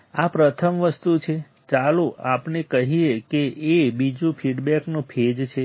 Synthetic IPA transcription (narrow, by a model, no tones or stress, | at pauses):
apɾət̪ʰəmʋəst̪ut͡ʃʰe | t͡ʃaluapnekəɦiekeʔːbid͡ʒũfʰiɖbɛknũpʰed͡ʒt͡ʃʰe